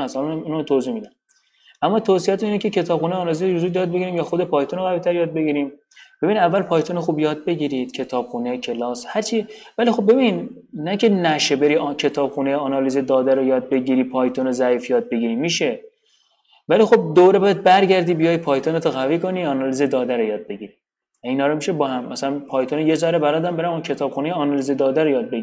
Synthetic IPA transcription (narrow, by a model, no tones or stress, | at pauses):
æshɒlnæmunæmt̪ʰozihmid̪æ | ʔæmːɒːt̪ʰoːsiæt̪uiːnecʰecʰe̞t̪ʰɒːbxuːneɒnɒliziɾuzuːd̪jɒːd̪̚beɟiɾiːmjɒːxod̪epʰɒːjt̪onoɣæviːt̪ʰæɾjɒːd̪̚be̞ɟiːɾiːm | b̥e̞binid̪ævːælpʰɒːjt̪ʰonexuːbjɒːd̪̚be̞ɟiɾiːd̪̥cʰe̞t̪ʰɒːb̥xuːne̞cʰe̞lɒːshæɾt͡ʃʰivælixo̞bːbe̞binnækʰe̞næʃebe̞ɾiːcʰe̞t̪ʰɒːb̥xunejɒːnɒːliːzed̪ɒːd̪æɾojɒːd̪̚be̞ɟiːɾiːpʰɒːjt̪ʰonozæiːfjɒːd̪̚be̞ɟiːɾiːmiːʃe̞ | væliːxo̞b̚d̪oɾe̞bɒjæd̪̚bæɾɟæɾd̪iːbijɒːj̚pʰɒːjt̪ʰonet̪ʰoɣæviːko̞niːɒːnɒːliːzed̪ɒːd̪æɾojɒːd̪̚be̞ɟiːɾi | æiːnhɒːɾomiʃebɒːhæmːæsælænpʰɒːjt̪ʰonejezɒːɾebæɾɒːd̪æmbe̞ɾæmcʰe̞t̪ʰɒːb̥xunejeɒːnɒlized̪ɒːd̪æɾojɒːd̪̚beɡiɾi